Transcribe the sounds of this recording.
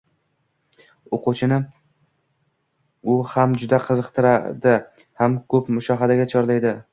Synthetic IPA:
oqʊt͡ʃʰɪnɪ | ʊhamd͡ʒʊd̪aqʰɨzɨqt̪ʰɪɾad̪ɪ | hamkʰɵpmʊʃɒɦad̪aɡʲat͡ʃʰɒɾlajd̪ɪ

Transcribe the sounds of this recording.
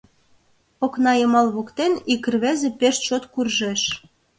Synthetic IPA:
poknɑjɤmɑlβokt̪enikə̆rβæzĕpeʃt̪t͡ɕot̪kurʒeʃ

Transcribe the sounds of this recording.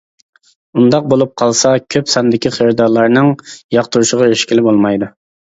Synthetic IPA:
und̪ɑq̚bolˠup̚qʰɑlˠsɑkʲʰøpsɑnd̪ɪkʲʰiχəɾd̪ɑɾlˠɑɾnɨŋjɑqt̪uɾuʃəʁɑøʃkʲilɪbolˠmɑjd̪u

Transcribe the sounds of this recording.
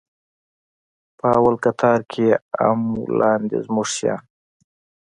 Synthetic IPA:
pəawalkat̪ʰɑɾkʰea̰mlɑnd̪ḛzmuʐʃjɑ̰

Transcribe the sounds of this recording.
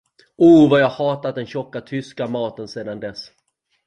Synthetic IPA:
uːvajɑːɡhɑːt̪at̪̚d̪ɛnɕɔkːat̪ʰʏskamɑːt̪ənseːd̪and̪ɛs

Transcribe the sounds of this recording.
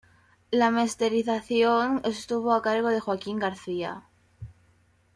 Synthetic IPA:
lame̞st̪e̞ɾiθaθjo̞ŋe̞st̪uβo̞akaɾɣ̞o̞ð̞e̞xwakiŋɡaɾθia̰

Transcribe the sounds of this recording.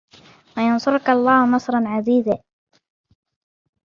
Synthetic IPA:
wajɑnsˤʊɾkalˤːɑːhʊnɑsˤɾˤɑnʕaziːzaː

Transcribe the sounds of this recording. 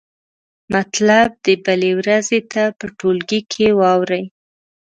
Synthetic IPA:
mat̪lab̚d̪əbəlewɾazet̪apəʈolɡikʰewɑwɾəj

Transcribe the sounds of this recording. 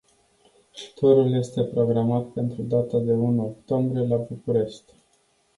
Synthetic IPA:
ʃu̥t̪oɾulje̞st̪e̞pɾo̞ɡɾamat̪pe̞nt̪ɾud̪at̪ad̪e̞unokt̪o̞mbɾije̞labukuɾe̞ʃt̪ʲ

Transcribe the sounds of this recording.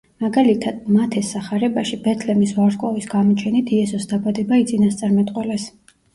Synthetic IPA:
maɡalit̪ʰad̪̥̚mat̪ʰɛsːaχaɾɛbaʃibɛt̪ʰlɛmisvaɾkʼɔvisɡamɔt͡ʃʰɛnit̪ʰiɛsɔsd̪abad̪ɛbait̪sʼinast̪sʼaɾmɛt̪ʼqʼwɛlɛs

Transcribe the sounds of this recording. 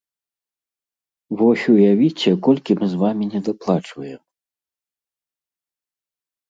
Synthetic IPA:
vɔsʲujavʲit͡sʲɛkɔlʲkʲimɨzvamʲinʲɛd̪aplˠat͡ʂvɐjɛm

